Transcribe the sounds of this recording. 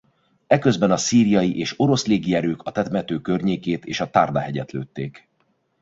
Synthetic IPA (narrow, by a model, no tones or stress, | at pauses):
ɛkøzbɛnɒsiːɾijɒjiʔeːʃo̞ɾo̞sleːɡiɛɾøːkɒt̪ɛt̪mɛt̪øːkørɲeːkeːt̪ḛːʃɒt̪ard̪aɦɛɟɛt̪løːt̪ːeːk